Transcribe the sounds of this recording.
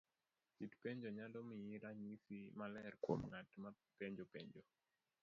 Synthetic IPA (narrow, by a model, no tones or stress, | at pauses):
sitpeɲd͡ʒɔɲadɔmijiɾaɲisimalɛrkwo̰mŋatma | peɲd͡ʒɔpeɲd͡ʒo